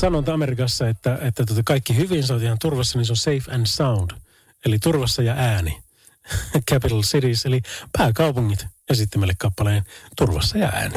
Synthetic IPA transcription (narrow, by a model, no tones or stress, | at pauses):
sɑnot̪ɑmerikɑsːɑet̪ːæet̪ːæt̪uot̪ɑkɑikːihyʋins̬ɑnot̪ihɑnt̪urʋɑsːɑninsonseifændsɑund̥ | elit̪urʋɑsːɑjɑʔæːni | kʰæpit̪ɑlsitiselipæːkɑˑupuŋːit̪esit̪ːæmælːekkɑpːɑleːnt̪urʋɑ̰sːɑjɑ̰æ̰ːni